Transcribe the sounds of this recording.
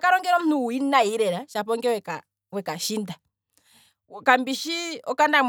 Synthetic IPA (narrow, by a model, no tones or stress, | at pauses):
kaɾɔŋɡɛɾɔm̩nuːinaiɾɛɾaʃapɔŋɡɛwɛka | wɛkaʃinda | kambiʃiɔkandam